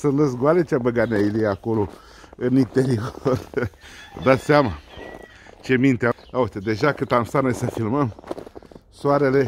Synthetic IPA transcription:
sɨnləs̬ɡwalet͡ʃabəɡanailijeakolo | ɨnint̪eɾior | d̪at̪seama | t͡ʃe̞mint̪eaaut̪ed̪e̞ʒakɨt̪amst̪anəsəfilməm | soaɾe̞le̞

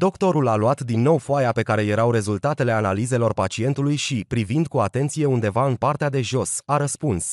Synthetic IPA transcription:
d̪o̞kt̪o̞ɾulaluat̪d̪inːo̞wfoajape̞kaɾe̞je̞ɾawɾe̞zult̪at̪e̞le̞analize̞lo̞rpat͡ʃie̞nt̪ulujʃipɾivind̪̚kuat̪e̞nt̪sije̞und̪e̞vaɨnpart̪ead̪e̞ʒo̞saɾəspuns

